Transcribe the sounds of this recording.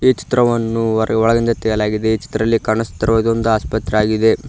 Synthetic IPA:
et͡ʃi̥t̪ɾɐʋɐnːuɔɭɐɡind̪ɐt̪ɛjɐlaːɡid̪eet͡ʃi̥t̪ɾɐlːikɐɳɐst̪ːɐɾɐʋɐd̪ond̪uaːspɐt̪ɾeaːɡid̪e̞

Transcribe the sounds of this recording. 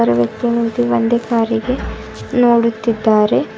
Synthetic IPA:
ɐɾɐʋjɐk̚t̪inid̪iʋond̪ekaːɾiɡe̞ | noːɽut̪ːid̪ːaːɾe̞

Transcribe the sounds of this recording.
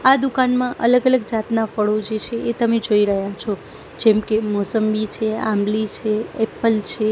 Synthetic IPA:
ad̪ukanmãʔə̰ləɡələɡd͡ʒat̪nafəɭod͡ʒet͡ʃʰeʔet̪əmed͡ʒoiɾəɦjat͡ʃʰo | d͡ʒɛmkemɔsəmbit͡ʃʰea̰mlit͡ʃʰeɛpəlt͡ʃʰe

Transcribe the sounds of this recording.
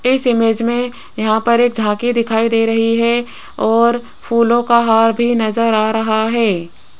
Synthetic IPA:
ɪsɪmeːd͡ʒmẽ | jɐɦãpɐɾeːk̚d̪ʱãːkid̪ɪkʰaːid̪eːɾɐɦiɦɛ | ɔːɾ | fʰuːlõkaɦaːɾbʱinɐzəɾaːɾɐɦaɦɛː

